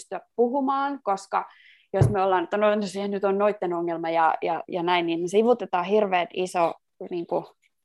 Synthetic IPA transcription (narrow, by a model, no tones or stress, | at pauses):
st̪yæppuhumɑːnkoskɑ̰ | josmeolːɑːnet̪ːænot̪osihennyt̪onnoit̪ːenoŋːelmɑjɑjɑ̰jɑnæinninmesiʋut̪et̪ɑːhirʋeːt̪iso | niːŋku